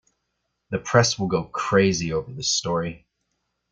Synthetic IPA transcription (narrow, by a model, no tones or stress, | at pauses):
ðɨpʰɹ̥ɛswəlˠɡoʊkʰɹ̥eɪzioʊvə˞ðɪstɔɹi